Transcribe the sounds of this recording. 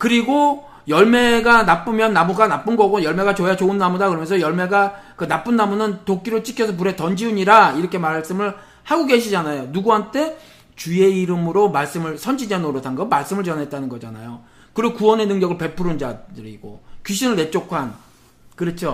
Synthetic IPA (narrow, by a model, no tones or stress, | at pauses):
kɯɾiɡo | jʌɭme̞ɡanap͈ɯmjʌnːamuɡanap͈ɯnɡʌɡojʌɭme̞ɡat͡ɕojat͡ɕoɯnːamudakɯɾʌmjʌnsʰʌjʌɭme̞ɡa | kɯnap͈ɯnːamunɯntok͈iɾɯɭt͡ɕ͈i̥kʰjʌs̬ʰʌp̬uɾe̞tʌnd͡ʑiuɲiɾaiɾʌkʰe̞maɾaɭs͈ɯmɯɭ | haɡoɡe̞ɕʰid͡ʑanajonuɡuɦantʰe̞ | t͡ɕue̞iɾɯmɯɾomaɭs͈ɯmɯɭsʰʌnd͡ʑid͡ʑanoɾotʰanɡʌmaɭs͈ɯmɯɭt͡ɕʌnɦe̞t̚t͈anɯnɡʌd͡ʑana̰jo | kɯɾɯkuwʌne̞nɯŋɲʌɡɯɭpe̞pʰɯɾɯnd͡ʑadɯɾiɡ̥o̰kiɕʰinɯɭne̞t͡ɕ͈okʰan | kɯɾʌt͡ɕʰo